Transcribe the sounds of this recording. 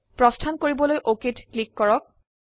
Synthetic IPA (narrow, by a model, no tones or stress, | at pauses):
pɹɔstʰankoɹibɔlojʔoketklikːɔɹɔk̚